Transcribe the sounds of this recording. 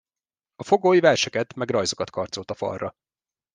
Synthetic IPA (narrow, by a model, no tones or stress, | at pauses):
ɒfo̞ɡoːjivɛrʃɛkɛt̪mɛɡrɒjzo̞kɒt̪kʰɒrt̪solt̪ɒfɒ̰rːɒ